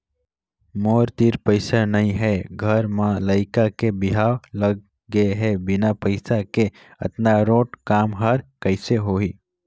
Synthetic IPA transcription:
moɾt̪iɾpəɪsanəĩɦɛɡʱəɾmãləɪkakebiɦawləɡː | eɦɛbɪnapəɪsake | ə̰t̪naɾoːʈkaːmɦəɾkəɪseɦoi

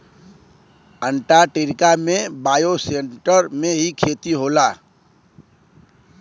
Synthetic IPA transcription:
əɳʈaʈeɾkamẽbaːjoseɳʈəɾmẽɦikʰeːt̪iɦoːlaː

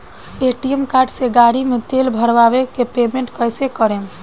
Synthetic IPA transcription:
eʈiemkaɾɖseɡaɾimet̪elbʱəɾʋabekepemeɳʈkəjsekəɾem

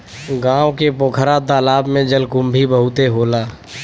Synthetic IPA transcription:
ɡãːwokepoːkʰɾad̪aːlaːbmẽd͡ʒəlkʊ̃mbʱibəɦʊt̪eɦoːlaː

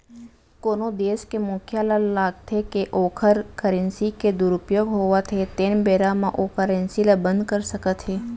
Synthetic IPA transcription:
koːnod̪eːskemʊkʰjalalaːɡ̚t̪ʰekeʔoːkʰəɾkəɾẽnsiked̪ʊɾʊpjoːɡɦoːʋat̪ʰet̪eːnbeːɾamãʔokəɾẽnsilabə̃nd̪̚kəɾsəkət̪ɦeː

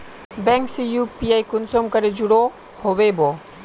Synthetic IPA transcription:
bɛŋksijupiajkunsomkəɾed͡ʒuɽo | hobebɔ

